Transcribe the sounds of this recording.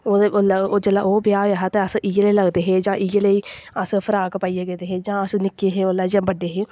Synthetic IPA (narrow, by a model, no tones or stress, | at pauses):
oːd̪eoːloːd͡ʒəlːa̰ːʔoːbjaːʋaɦat̪eːəsʔieləiːləɡd̪eːɦeːd͡ʒãːʔijeləiːəspʰəɾaːkpaːiːeːɡẽːnd̪eːɦeːd͡ʒãːəsnɪkːeːɦeːolaːd͡ʒãːbəɖːeːɦeː